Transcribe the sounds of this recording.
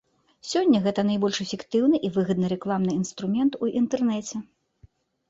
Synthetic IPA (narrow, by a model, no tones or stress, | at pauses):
sʲɔnʲːɐɣɛt̪ɐnɐjbɔlʲʂɛfʲɛkt̪ɨwnɨʔivɨɣɐd̪nɨɾɛklˠamnɨinst̪ɾumʲɛnt̪uʔint̪ɛrnɛt͡sʲɛ